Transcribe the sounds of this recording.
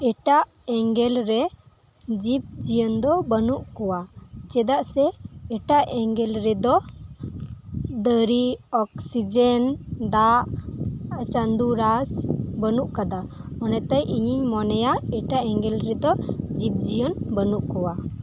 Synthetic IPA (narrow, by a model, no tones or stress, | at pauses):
ɛʈaʔ | ɛŋɡɛlɾɛ | d͡ʒip̚d͡ʒijɔnd̪ɔbənuʔkɔwat͡ʃɛd̪aʔsɛːʈaʔɛŋɡɛlɾɛd̪ɔ | d̪əɾiɔksid͡ʒɛnd̪aʔ | at͡ʃand̪uɾasbənuʔkad̪a | ɔnɛt̪ajʔiɲiɲmɔnɛjaɛʈaʔɛŋɡɛlɾɛd̪ɔd͡ʒip̚d͡ʒijɔnbənuʔkɔwa